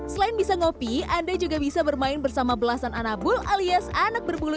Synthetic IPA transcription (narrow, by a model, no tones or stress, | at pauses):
səlaɪnbisaŋopiandad͡ʒuɡabisabərmaɪnbərsamabəlasananabʊlʔaliasanak̚bərbulu